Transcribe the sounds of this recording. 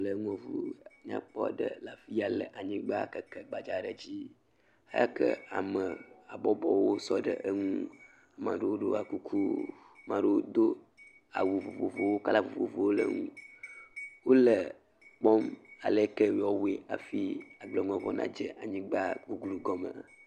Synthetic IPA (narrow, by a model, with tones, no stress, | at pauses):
lə˨ŋɔ̃˨vṵ˦ɲã̰˦k͡pɔ̰˦ɖə̰˦la˨fi˦a˨lə˨ʔa˨ɲĩ˦ɡ͡ba˦kə˨kə˨ɡ͡ba˨d͡ʒa˨ɖə˨d͡ʑi˦ | a̰˦ja̰˦kə̰˦a̰˨mə˨a˨bɔ˦bɔ˨wo˦sɔ˦ɖə̰˨ʔə˦ŋũ˦ | a˨mã̰˨ɖe˦wo˦ɖo˦a˨ku˦kʰu˦ | mã˨ɖo˦wo˦d̪o˦ | a̰˨wu˨vo˨vo˨vo˨wo˦ka˦la˦vo̰˨vo̰˨vo˨wo˦lə̰˦ŋũ˦ | wo˦lə˨ | k͡pɔ˦ma̰˨le˦kə˦˨wɔ˦we˨a˨fi˦a˨ɡ͡blə˨ŋũ˨ɛ̃˨vɔ˦nã̰˦d͡ʒə˦ʔa˨ɲĩ˦ɡ͡ba˦ɡu˦ɡlu˨ɡɔ˦mə̰̃˨